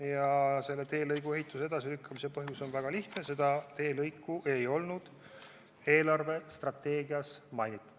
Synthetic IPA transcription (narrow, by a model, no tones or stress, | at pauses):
jɑse̞lːe̞t̪e̞ːlɤjɡ̥ue̞ɦjt̪ːˑuseed̪̥ɑsilykːɑmisepɤɦjuso̞nvæɡ̥ɑliht̪ne̞se̞d̪̥ɑt̪e̞ːlɤjkːˑuʔe̞jo̞lnud̪̥ | e̞ːlɑrve̞st̪rɑt̪ːe̞ːɡiɑsmɑjnit̪ːˑ